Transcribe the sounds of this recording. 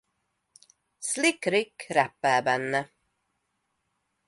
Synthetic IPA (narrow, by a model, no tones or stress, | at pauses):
slɪkɾɪkɾɛpːɛːbɛnːə